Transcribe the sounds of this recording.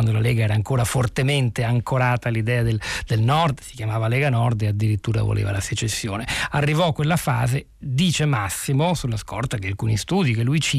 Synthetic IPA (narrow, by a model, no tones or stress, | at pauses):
and̪olalɛːɡaɛːɾaːŋkoːɾafort̪ement̪eaŋkʰoɾaːt̪alid̪ɛːad̪eld̪̥elnɔrd̪si̥kjamaːvalɛːɡanɔrd̪ead̪ːiɾit̪ːuːɾa̰vo̰lḛːva̰laset͡ʃesːjo̰ːnearːivɔkːwelːafaːze | d̪iːt͡ʃemasːimosulːaskɔ̰rt̪akealkuːnist̪uːd̪ikelːujt͡ʃi